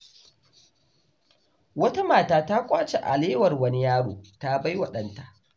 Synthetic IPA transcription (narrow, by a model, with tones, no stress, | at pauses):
wɐ˦ta˦maː˨taː˦ta˦kʷʼaː˦t͡ʃe˨ʔa˨leː˦wɐ˨rwɐ˦ni˦jaː˦ɽo̰ː˨ta˦ba˦jwɐ˦˨ɗɐ˨nta˨ʔ